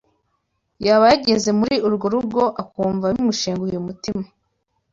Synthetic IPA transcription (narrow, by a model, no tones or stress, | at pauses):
jaβajaɟe̞ze̞muɾiʔuɾɡo̞ɾuɡo̞ʔakuːɱvaumuʃeːŋɡujumutima